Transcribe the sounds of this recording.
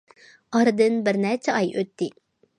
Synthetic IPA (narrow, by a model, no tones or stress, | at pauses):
ɑɾɨd̪ɨnbɪɾnɛt͡ʃʰɛɑjøt̪ːɪ